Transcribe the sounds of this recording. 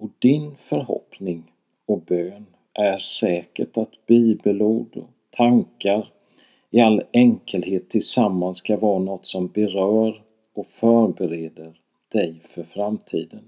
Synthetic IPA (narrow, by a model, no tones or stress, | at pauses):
ɔd̪ɪnfœɾɦɔ̰pnɪŋ | ɔbøːn | ʔæɾsɛːkəʈat̪b̥iːbəluːd̪ɔ̰ | t̪ʰaŋkaɾ | ɪalːɛŋkʰəlheːt̪ʰːɪlsamːanskavɑːɾanɔt̪ːsɔmbɛɾœːɾ | ɔfœːɾbɛɾeːd̪əɾ | d̪̥ɛjfœɾfɾamt̪ʰiːd̪ən